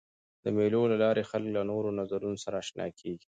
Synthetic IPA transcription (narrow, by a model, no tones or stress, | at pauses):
d̪̥əmelolalɑɾexalklanoɾonazaɾunosaɾaːʃnɑ̰kʰeɡi